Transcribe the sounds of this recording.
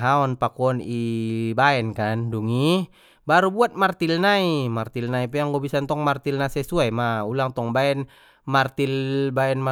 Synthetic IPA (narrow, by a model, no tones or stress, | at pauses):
ɦaɔnpakuɔnibaɛnkanduŋi | baɾubuat̪̚mart̪ilnaimart̪ilnaipɛjaŋɡɔbisant̪ɔŋmart̪ilnasɛsuajmaulaŋt̪ɔŋbaɛn | mart̪ilbaɛnma